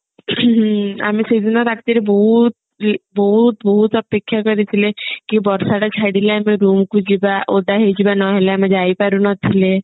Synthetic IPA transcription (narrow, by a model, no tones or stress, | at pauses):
a̰miseid̪inaɾakʰt̪eɾebɔɦut̪̚ | bɔɦut̪bɔɦut̪ɔpekʰːjakɔɾit̪ʰilekibɔɾsaʈat͡ʃʰaɽileameɾumkud͡ʒibaʔod̪aɦed͡ʒibanɔɦeleamed͡ʒajpaɾunɔt̪ʰile